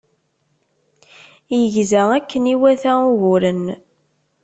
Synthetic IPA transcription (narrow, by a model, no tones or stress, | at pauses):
jəʝzæækːəniwæθæʊɣʊɾən